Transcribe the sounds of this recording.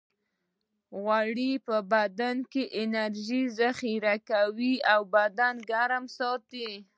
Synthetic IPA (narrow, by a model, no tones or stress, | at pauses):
ɣwaɽipəbad̪ankeʔɪnaɾʒizaxiɾakawiawbad̪anɡaɾmsɑt̪i